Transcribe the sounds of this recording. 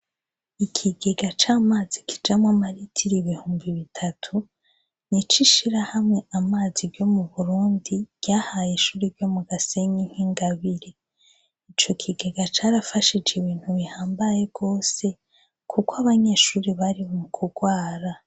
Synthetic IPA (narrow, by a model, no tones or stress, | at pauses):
ikʰiɡeɡat͡ʃaːmaːzikʰi̥d͡ʒamwamaɾitʰiɾiβihuːmbiβitʰatʰu | nit͡ʃiʃiɾahamŋe̞amaːzibɟo̞muβuɾuːndib̥ɟjaːhaːjeʃuːɾibɟo̞muɡase̞ɲiŋ̥hiŋɡaβiɾe | it͡ʃo̞kʰiɡeɡat͡ʃaːɾafaʃid͡ʒeβiːn̥huβihaːmbaje̞ɡ̥o̞ːse̞ | kʰukwaβaɲe̞ːʃuːɾiβaɾimukʰuɡwaːɾa